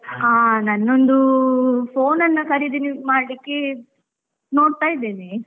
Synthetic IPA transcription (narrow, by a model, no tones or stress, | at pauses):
aːnɐnːond̪upʰoːnɐnːɐkɐɾid̪iːnimaːɽlikːe | no̞ːɽt̪aːjid̪eːni